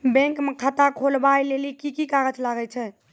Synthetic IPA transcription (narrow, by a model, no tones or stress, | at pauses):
bɛ̃ŋkmekʰət̪akʰolbajlelikikikaɡət͡ʃlaɡɛt͡ʃʰɛ